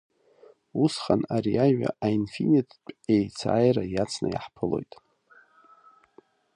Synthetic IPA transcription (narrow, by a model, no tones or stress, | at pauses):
usχanaɾiaɥa̰ainfinitʰpʼejt͡sʰajrajat͡sʰnajaħpʰɨlo̞jtʼ